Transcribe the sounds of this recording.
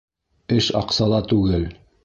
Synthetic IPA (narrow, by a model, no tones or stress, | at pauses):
ɘʃɑ̰qsɑlˠɑt̪ʉɡɘl